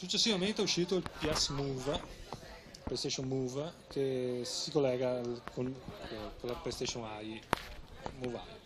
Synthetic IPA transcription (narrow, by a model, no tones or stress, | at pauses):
sut͡ʃːesːivament̪eɛuʃːiːt̪oilpjasmuːva | plest̪et͡ʃoŋmuːvakesikolːɛːɡakonkolapest̪eʃoŋaj | muva̰l